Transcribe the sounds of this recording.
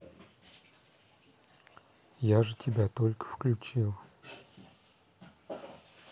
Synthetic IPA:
jaʐɨtʲɪbʲat̪olʲkə̥fklʲʉt͡ɕilˠ

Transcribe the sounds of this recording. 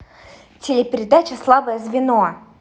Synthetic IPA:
tʲɪlʲɪpʲɪɾʲɪd̪at͡ɕɪslˠabəjəzvʲɪno

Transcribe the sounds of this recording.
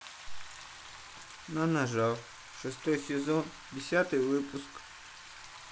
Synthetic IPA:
nanaʐalˠ | ʂɨst̪ɔjsʲɛzɔn | dʲɪsʲat̪ɨjvɨpusk

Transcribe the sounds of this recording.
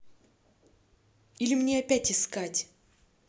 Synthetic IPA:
ilʲɪmnʲeɐpʲætʲɪskatʲ

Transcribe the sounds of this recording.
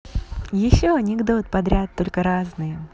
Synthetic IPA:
jɪɕːoɐnʲɪɡd̪o̞t̪̚pɐd̪ɾʲat̪ːo̞lʲkəɾaznɨjə

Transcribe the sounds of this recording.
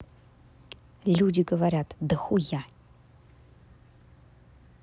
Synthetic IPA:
lʲudʲɪɡəvaɾʲat̪ʰd̪əxuja

